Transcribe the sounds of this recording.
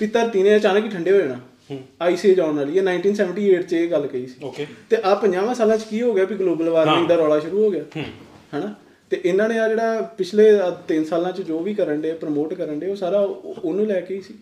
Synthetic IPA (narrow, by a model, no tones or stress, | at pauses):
pit̪əɾt̪iːnẽːaːt͡ʃaːnəkiːʈʰəɳɖeːɦoːd͡ʒaːnãː | aːiːseːd͡ʒaːnaːliːɛːnaːɪɳʈiːnsɛːʋəɳʈiːeːʈt͡ʃeːɡəlːkəiːsi̥ːot̪eːʔaːpəɲãːʋãːsaːlãːt͡ʃkiːɦoːɡɪjaːpiːɡloːbəlʋaːɾnẽːd̪aːɾɔːɽaːʃʊɾuːɦoːɡɪjaː | ɦɛːnaː | t̪eːʔɪnãːnẽːaːd͡ʒeːɽaːpɪt͡ʃʰleːt̪ɪnsaːlãːt͡ʃd͡ʒoːʋiːkəɾəɳɖeːpɾəmoːʈkəɾəɳɖeːoːsaːɾaːʊnũːlɛːkeiːsiː